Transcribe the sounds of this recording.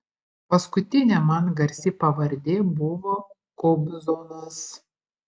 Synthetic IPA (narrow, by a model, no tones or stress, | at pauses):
pɐskʊt̪ʲɪnʲɛmɐnɡɐɾʲsʲɪpɐʋɐɾʲd̪ʲeːbʊʋoː | kɔʊbʲzonɐs